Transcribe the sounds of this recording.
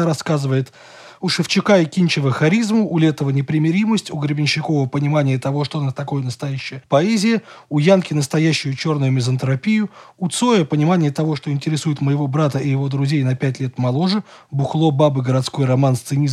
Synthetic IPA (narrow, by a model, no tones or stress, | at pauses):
ɾɐskazɨvəjɪt̪ | ʊʂɨft͡ɕɪkaɪkʲinʲt͡ɕɪvəxɐɾʲizmʊːlʲet̪əvənʲɪpɾʲɪmʲɪɾʲiməsʲtʲʊɡɾʲɪbʲɪnʲɕːɪko̞vəpənʲɪmanʲɪjət̪ɐvo̞ʂt̪onət̪ɐko̞jənəst̪ɐjæɕːɪjəpɐɛzʲɪjəʊjankʲɪnəst̪ɐjæɕːʊjʊt͡ɕo̞rnʊjʊmʲɪzənt̪ɾɐpʲijʊʊt̪so̞jəpənʲɪmanʲɪjət̪ɐvo̞ʂt̪oɪnʲtʲɪɾʲɪsujɪt̪məjɪvo̞bɾat̪əʔɪjɪvo̞d̪ɾʊzʲejnɐpʲætʲlʲe̞t̪mɐlˠo̞ʐɨ | bʊxlˠo̞babɨɡəɾɐt̪sko̞jrɐmanst̪sɨnʲiz